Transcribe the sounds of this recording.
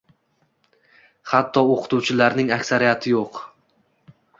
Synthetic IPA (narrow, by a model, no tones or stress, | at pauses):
hat̪ʰːɒoqʰʊ̥t̪ʰuwt͡ʃʰɪlaɾnɪŋakʲsaɾijat̪ʰɪjoq